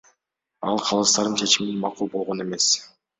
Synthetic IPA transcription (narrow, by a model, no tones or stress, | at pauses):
ɑ̰lˠqʰɑlˠɯst̪ɑɾɯnt͡ʃʰe̞t͡ʃiminmɑqulˠbo̞lˠʁo̞ne̞me̞s